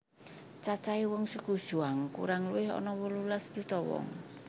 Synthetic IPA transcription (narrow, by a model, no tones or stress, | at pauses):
t͡ʃat͡ʃaiwɔŋsəku̥ʒ̥uaŋkṵɾaŋluwɪɦɔ̰nɔwɔlulasd̪̥ut̪ɔwɔ̰ŋ